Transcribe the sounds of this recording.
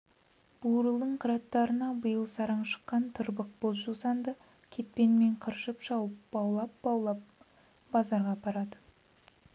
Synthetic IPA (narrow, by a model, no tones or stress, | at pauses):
b̥uɾəlˠd̪əɴqʰəɾɑt̪ːɑɾənɑbəjəlˠsɑɾɑɴʃə̥qːɑnt̪ʰəɾbəq̚b̥ozʒusɑnd̪ə | kʲʰe̞t̪̚pe̞nme̞ɴqʰəɾʃəpʃɑwəp̚bɑwlˠɑp̚bɑwlˠɑp̚ | b̥ɑzɑɾʁɑpʰɑɾɑd̪ə